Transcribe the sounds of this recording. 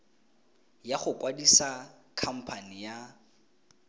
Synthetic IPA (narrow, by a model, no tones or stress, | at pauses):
jaχʊkwadisakʰam̩pʰanija